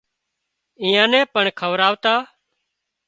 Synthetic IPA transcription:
ĩːjãːnɛ̃ːpəɳkʰəʋɾaːʋt̪aː

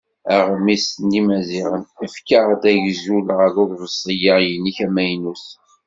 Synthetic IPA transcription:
æʁmisnimæziʁənəfkəʁd̪æʝzuləʁəðʊððəsˤəjəʁjənːiçæmæjnus

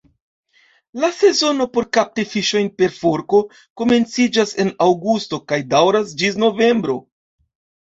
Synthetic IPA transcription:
lase̞zo̞no̞po̞ɾkap̚tefiʃo̞jnpe̞ɾfo̞ɾko̞ | ko̞me̞nt͡sid͡ʒase̞nawɡusto̞kajdawɾasd͡ʒis̬no̞ve̞mbɾo̞

